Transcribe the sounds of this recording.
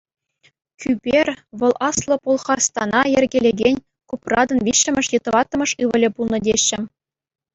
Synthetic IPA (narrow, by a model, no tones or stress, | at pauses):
kʲʰybʲerʲʋɤ̆lˠɑslˠɤ̆polˠχɑrst̪ɑnɑjĕrʲɡʲelʲeɡʲenʲ | kuprɑd̪ɤ̆nʋʲiɕːɘ̆mʲɘ̆ʂjɤ̆t̪ɤ̆ʋɑt̪ːɤ̆mɤ̆ʂɯʋɤ̆lʲɘ̆pulˠnɤ̆dʲeɕːɘ̆